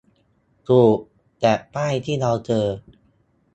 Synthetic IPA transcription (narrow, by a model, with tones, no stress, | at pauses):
t̪uː˨˩ | t͡ɕɛː˨˩paː˥˩jt̪ʰiː˥˩ɾa˧wt͡ɕɤː˧